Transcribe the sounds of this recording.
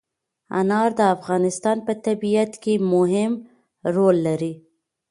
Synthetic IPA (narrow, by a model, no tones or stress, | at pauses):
a̰nɑɾd̪əafɣɑnɪst̪ɑnpət̪abiat̪kemʊɦɪm | ɾolːaɾi